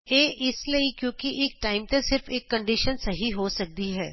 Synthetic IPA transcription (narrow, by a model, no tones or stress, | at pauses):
eːʔɪsləikjõːkiʔeːk̚ʈaːɪmt̪ẽsɪɾfeːkːɐ̃ɳɖiʃənsɐɦiɦosɐk̚d̪iɦɛː